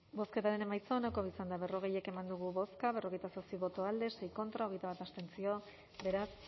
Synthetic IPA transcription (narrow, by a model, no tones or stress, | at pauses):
bo̞ske̞t̪aɾe̞ne̞majt͡soːnakoisand̪aβe̞roɣ̞e̞je̞ke̞mand̪uɣ̞uβo̞skaβe̞ro̞ɣe̞jt̪asosiβo̞t̪o̞ald̪e̞se̞jko̞nt̪ɾao̞ɣ̞e̞jt̪aβat̪ast̪e̞nt͡sio̞ | be̞ɾas